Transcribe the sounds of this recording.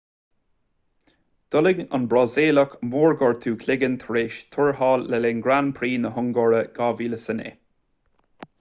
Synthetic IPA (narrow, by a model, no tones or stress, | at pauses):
d̪̥ʊlɪɡə̰nbɾɑzeːləkmoːɹɡɔɹt̪ʰuːkʰlɪɡənt̪ʰəɹeːʃt̪ʰʊɹhɑːlːəleːnɡɾanpʰɾiːnəɦʊŋɡɔɹəɡ̥aːviːləsənḛː